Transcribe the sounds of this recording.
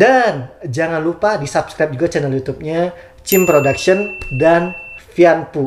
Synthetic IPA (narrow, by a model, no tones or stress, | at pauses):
dand͡ʒaŋanlupadisapskɾajp̚d͡ʒuɡat͡ʃɛnəljut̪up̚ɲa | t͡ʃɪmpɾodakʃiɔndanfianpu